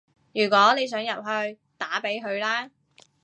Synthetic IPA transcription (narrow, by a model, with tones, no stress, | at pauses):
jyː˨˩kʷɔː˨˥ne˨˧js̬œː˨˥ŋjɐ˨p̚ɦɵ˧ɥ | t̪aː˨˥pe˨˥jɦɵ˧ɥlaː˥